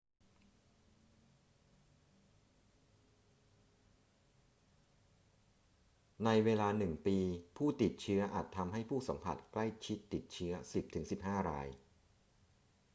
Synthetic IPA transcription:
na˧jweː˧laː˧nɯ˨˩ŋpiː˧pʰuː˥˩t̪i˨˩t̪̚t͡ɕʰɯ˦˥ɐʔaː˨˩t̪ʰːa˧mɦa˥˩jpʰuː˥˩sa˩˦mpʰa̰˨˩t̪̚kla˥˩jt͡ɕʰi˦˥t̪ːi˨˩t̪̚t͡ɕʰɯ˦˥ɐsi˨˩p̚t̪ʰɯ˩˦ŋsi˨˩p̚haː˥˩ɾa̰ː˧j

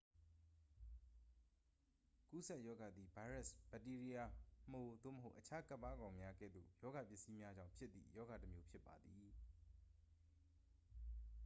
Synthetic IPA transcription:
ku˦sɛ˦ʔjɔ˦ɡa˨d̪ði˨ba˦ɹɛ˦˨sb̥ɛ˨ti˦ɹi˦ja˨m̥o˨d̪o̰˦˨məɦo˦ʊʔət͡ɕʰa˦ka˦ʔpa˦ɡã˨ʊ̃mja˦ɡɛ̰˦˨d̪o̰˦˨jɔ˦ɡa˨pjɪ˦ʔsi˦mja˦d͡ʑã̰˦˨ʊ̃pʰjɪ˦t̪t̪ːḭ˦˨jɔ˦ɡa˨təmjo˦pʰjɪ˦pːa˨d̪ði˨

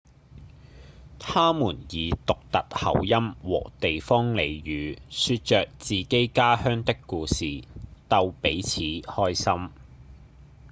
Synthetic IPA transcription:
t̪ʰaː˥muː˨˩njiː˨˧t̪ʊ˨k̚t̪ɐ˨t̚hɐ̰˨˩wjɐ˥mwɔ̰ː˨˩t̪e˨jfɔː˥ŋle˨˧jɥyː˨˧syː˧t̚t͡ʃœː˨k̚t͡siː˨ke˥jkaː˥hœː˥ŋt̪ɪ˥kːuː˧siː˨t̪ɐ˧wpe˨˥jt͡sʰiː˨˥hɔː˥jsɐ˥m

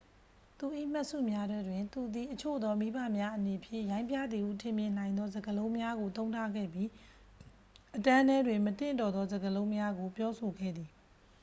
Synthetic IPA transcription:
t̪u˨ʔḭ˦˨m̥a˦ʔsṵ˦˨mja˦dɛ˦dwɪ̃˨nt̪u˨d̪i˨ʔət͡ɕʰo̰˦˨d̪ɔ˦mi˦ba˦˨mja˦ʔəne˨pʰjɪ̰̃˦˨jã˦ɪ̃mpjä̰˦˨d̪ði˨ʔu˦˨tʰɪ̃˨mjɪ̃˨n̥ã˨ɪ̃nd̪ɔ˦zə˨ɡəlõ˦ʊ̃mja˦ɡo˨t̪õ˦ʊ̃tʰa˦˨ɡɛ̰˦˨bji˦ | ʔətã˦nɛ˦dwɪ̃˨mət̪ɪ̰̃˦˨ntɔ˨d̪ɔ˦zə˨ɡəlõ˦ʊ̃mja˦ɡo˨pjɔ˦sʰo˨ɡɛ̰˦˨d̪ði˨

